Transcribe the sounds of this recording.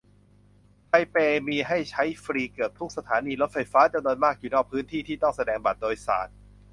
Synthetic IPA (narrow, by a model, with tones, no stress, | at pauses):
t̪ʰa˧jpeː˧miː˧ɦa˥˩jt͡ɕʰa˦˥jfɾiː˧kɯː˨˩p̚t̪ʰu˦˥k̚sa˧t̪ʰaː˩˦niː˧lo˦˥t̪̚fa˧jfaː˦˥t͡ɕa˧mnu˧nmaː˥˩k̚juː˨˩nɔː˥˩k̚pʰɯː˦˥nt̪ʰiː˥˩iː˥˩t̪ɔ˥˩ŋsa˧dɛː˧ŋba˨˩t̪̚doː˧jsa̰ː˨˩˦t̪̚